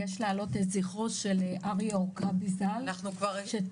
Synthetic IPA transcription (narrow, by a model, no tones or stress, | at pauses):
jeʃlaːlo̞teziχoʃeleʔaʁijokabizalanukvaʁʃe